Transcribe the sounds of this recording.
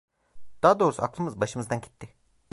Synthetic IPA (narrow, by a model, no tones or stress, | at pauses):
d̪̥aːd̪o̞ːɾusuaklˠɯmɯzbaʃɯmɯzd̪anɟi̥t̪ʰːɪ